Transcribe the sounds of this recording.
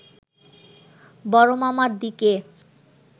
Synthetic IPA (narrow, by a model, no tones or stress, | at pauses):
bɔɾomamaɾd̪ike